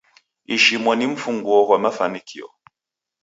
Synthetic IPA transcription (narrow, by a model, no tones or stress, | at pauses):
iʃimwɔnim̩fuŋɡwɔɦwamafanikʰiɔ̰